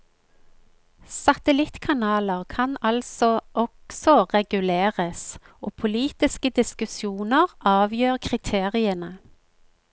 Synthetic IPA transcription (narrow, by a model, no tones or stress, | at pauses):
sɑt̪əlɪt̪kʰɑnɑːləʁkʰɑnɑlsɔʔɔksɔʁɛɡʉleːʁəs | oːpʰʊliːt̪ɪskəd̪ɪskʉsjuːnəʁʔɑːʋjøːʁkʰʁɪt̪ʰeːʁɪənə